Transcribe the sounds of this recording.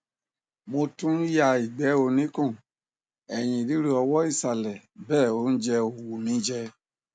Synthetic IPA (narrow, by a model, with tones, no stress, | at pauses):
mo˧tũ˦ja˨i˨ɡ͡bɛ˨˦o˧˨nĩ˨˦kɔ̃˦˨ | ɛ˨j̃ĩ˨ɾi˨˦ɾe˦ɔ˧wɔ˦i˦˨sa˨lɛ˨ | bɛː˦˨o˧˦n̩˦d͡ʒɛ˧o˨wu˨mĩ˨˦d͡ʒɛ˧